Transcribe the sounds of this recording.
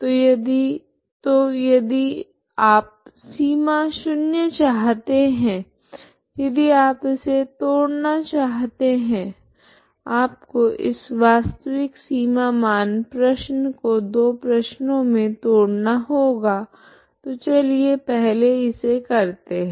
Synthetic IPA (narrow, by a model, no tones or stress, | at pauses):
t̪ojɐd̪i | t̪ojɐd̪i | aːp̚siːmaʃʊnjət͡ʃaːɦt̪eɦɛ̃ː | jɐd̪iaːpɪset̪oːɽnat͡ʃaːɦt̪eɦɛ̃ | aːpkoʔɪ̰sʋaːst̪əʋɪksiːmamaːnpɾɐʃnəkod̪oːpɾɐʃnõmẽt̪oːɽnaɦoːɡaː | t̪ot͡ʃɐliepɛɦleɪsekɐɾt̪eɦɛ̃ː